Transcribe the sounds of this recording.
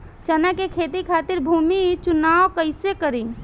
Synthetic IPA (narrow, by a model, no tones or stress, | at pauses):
t͡ʃənakekʰet̪ikʰat̪iɾbʱumit͡ʃunawkəɪsekəɾi